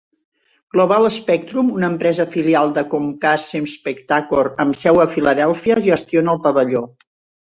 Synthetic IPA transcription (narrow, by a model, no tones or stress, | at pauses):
ɡ̥loβalˠəspɛk̚t̪ɾumunəmpɾɛzəfilialˠd̪əkoŋkasemspəkt̪akoɾəmsɛwəfiləðɛlˠfiəʒəst̪ionəlˠpəβəʎo